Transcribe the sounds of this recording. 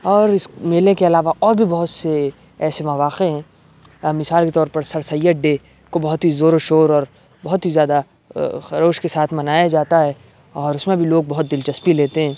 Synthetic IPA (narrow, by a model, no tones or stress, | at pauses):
ɔːɾɪsmeːlẽkeɐlaːʋaʔɔːɾbʱibɐɦʊt̪se | ɛːsemɐʋaːqeɦɛ̃ː | mɪsaːlket̪ɔːɾpɐɾsɐɾsɐjəɖeː | kobɐɦʊt̪ɦizoːɾoʃoːɾɔːɾ | bɐɦʊt̪ɦizjaːd̪a | xɐɾoːʃkesaːt̪ʰmɐnaːjad͡ʒaːt̪aɦɛ | ɔːɾʊsmẽbʱiloːɡ̚bɐɦʊt̪̚d̪ɪlt͡ʃɐspileːt̪eɦɛ̃ː